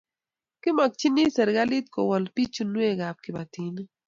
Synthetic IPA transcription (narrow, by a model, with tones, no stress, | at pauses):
kɪ˦mɔ˨k̚t͡ʃi˦ni˦sɛ˨ɾɡa˦li˦t̪̚ko˨wɔ˨lpi˦t͡ʃu˦nwe˦˨ɡa˨p̚kɪ˨ba˨t̪i˨n˦